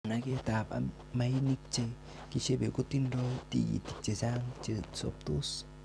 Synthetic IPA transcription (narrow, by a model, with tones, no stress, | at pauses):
na˧ke˦t̪a˨ba̰˧ | ma˧jni˦k̚t͡ʃe˧ | ki˧t͡ʃe˦be˨ɡu˦t̪i˦nɾo˦t̪ḭ˧jḭ˨t̪i˨k̚t͡ʃe˨sa˦ŋt͡ʃe˧so̰˧p̚t̪u˦s